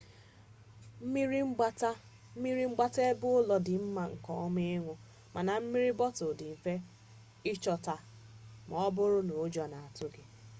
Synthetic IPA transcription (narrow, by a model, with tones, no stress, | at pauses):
m̩˦mi˦ɾi˦ŋ͡m̩˦a˦ta˦ | m̩˦mi˦ɾi˦ŋ͡m̩˦ɡ͡ba˦te˦bʊ˦ʊ˦lɔ˨dɪ˨m̩˦ma˨ŋ̩˨kɔ˦m˦e˦ɪ˦ŋʷʊ˦ | mʔa˨na˨m̩˦mi˦ɾi˦bɔ˦tʊ˨dɪ˨m̩˨fe˦ | ɪ˦t͡ʃɔ˨ta˨ | m˨ɔ˨˦bʊ˦ɾʊ˦no˨˦d͡ʒɔ˨na˨a˨tʊ˦ɡɪ˦